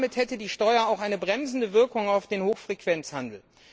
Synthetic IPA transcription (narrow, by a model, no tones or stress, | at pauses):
mɪthɛtədiːʃtɔʏɐaʊxʔaɪnəbʁɛmzn̩dəvɪɐkʊŋaʊfd̥eːnhoːxfʁ̥ekv̥ɛnt͡shandl̩